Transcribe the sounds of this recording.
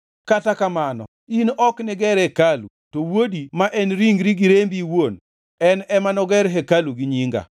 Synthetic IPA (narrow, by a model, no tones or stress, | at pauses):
katakamanɔ̰ | inɔknɪɡɛɾɛkalṵtowodimaʔɛnɾiŋɡɾiɡiɾembiwon | ɛnɛmanɔɡɛɾɦɛkaluɡiɲiŋɡa̰